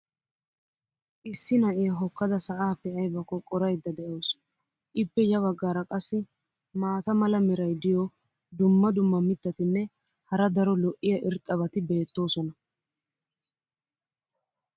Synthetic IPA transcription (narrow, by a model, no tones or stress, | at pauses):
ʔɪsːɪnɐʔɪjɐɦɔkːɐd̪ɐsɐʔaːpɛʔɐjbɐkːɔkʼɔɾɐjd̪ːɐd̪ɛʔoːs | ʔɪpːɛjɐβɐɡːaːɾɐkʼɐsːɪ | maːt̪ɐmɐlɐmɛɾɐjd̪ɪjɔ | d̪ʊmːɐd̪ʊmːɐmɪt̪ːɐt̪ɪnːɛ | hɐɾɐd̪ɐɾɔlɔʔɪjɐʔɪɾt̪ʼːɐbɐt̪ɪbe̞ːt̪ːo̞ːsɔnɐ